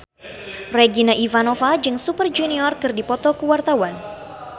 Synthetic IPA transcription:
rɛɡinaʔivanɔfad͡ʒɨŋsupərd͡ʒuniɔrkɨrdipɔt̪ɔkəwart̪awan

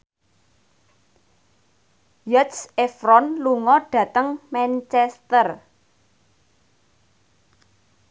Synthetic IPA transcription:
jət̪sefɾɔnluŋɔɖ̥a̤t̪əŋmɛnt͡ʃɛst̪ər

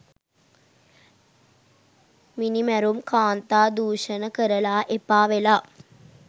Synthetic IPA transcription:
minimɐɾumkaːnt̪aːd̪uːʂɐnɐkɐɾɐlaːʔepːaːʋelaː

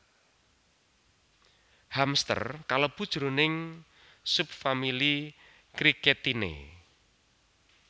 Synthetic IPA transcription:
hamst̪ə̰rkaləb̥ṳd̥ʒ̥uɾunɪŋ | sup̚famili | kɾikɛt̪inḛ

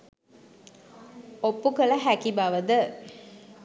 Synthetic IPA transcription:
opːukələɦækibaʋəd̪ə

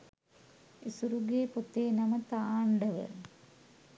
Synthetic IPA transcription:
isuɾuɡeːpot̪eːnɐmət̪aːɳɖəʋə̰

